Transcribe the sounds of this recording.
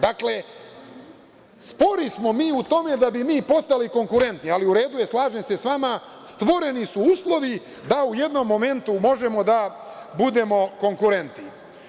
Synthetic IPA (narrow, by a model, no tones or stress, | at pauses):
d̪akle̞ | spo̞ɾismo̞miːut̪o̞me̞d̪abimiːpo̞st̪aliko̞ŋkuɾe̞nt̪nialiuɾe̞ːd̪uje̞slˠaːʒe̞mse̞sʋama | st̪ʋo̞ɾe̞nisuuːslˠo̞ʋi | d̪auje̞d̪no̞mːo̞me̞nt̪umo̞ʒe̞mo̞d̪abud̪e̞mo̞ko̞ŋkuɾe̞nt̪ni